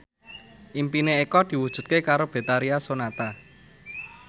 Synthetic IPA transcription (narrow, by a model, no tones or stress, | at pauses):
ʔimpineekɔd̪̥i̤wud̥ʒ̥ṳt̪̚kekaɾob̥e̤t̪aɾiasonat̪a